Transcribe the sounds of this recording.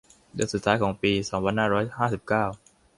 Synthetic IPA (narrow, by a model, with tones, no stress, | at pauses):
dɯː˧˥ənsu˨˩t̪ʰːaː˦˥jkɔː˩˦ŋpiː˧sɔː˩˦ŋpʰa˧nhaː˥˩ɾɔː˦˥jhaː˥˩si˨˩p̚kaː˥˩w